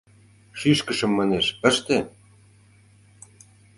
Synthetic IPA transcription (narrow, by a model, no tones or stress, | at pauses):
ʃyʃkə̆ʃə̆mːɑneʃə̆ʃt̪e